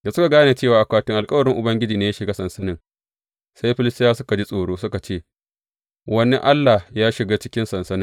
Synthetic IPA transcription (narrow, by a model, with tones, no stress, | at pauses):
da˨sʊ˦ka˨ɡaː˦na˨t͡ʃeː˦˨waː˨ʔa˨kʷaː˦tɪ˦ŋʔa˨lkʼɐ˦wɐ˨ɽɪ˦ŋʔʊ˨bɐ˦ŋɡʲɪ˦d͡ʒiː˨neː˨˦ja˦ʃɪ˨ɡaː˦sɐ˨nsɐ˦nɪ˦ŋ | sa˦jɸɪ˦lɪ˦stʼɪ˦jaː˦sʊ˦ka˨d͡ʒi˦sʼoː˨ɽoː˦sʊ˦ka˨t͡ʃeː˦˨ | wɐ˦nḭ˦ʔa˦lːa˨jaː˦ʃɪ˨ɡaː˦t͡ʃɪ˦kʲɪ˦nsɐ˨nsɐ˦nɪ˦ŋ